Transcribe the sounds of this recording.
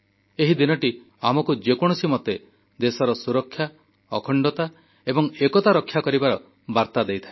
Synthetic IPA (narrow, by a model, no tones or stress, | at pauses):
eɦid̪inɔʈi | amɔkud͡ʒekɔɽ̃ɔsimɔt̪e | d̪esɔɾɔsuɾɔkʰːja | ɔkʰɔɳɖɔt̪a | ebɔŋekɔt̪aɾɔkʰːjakɔɾibaɾɔ | baɾt̪ad̪ejt̪ʰae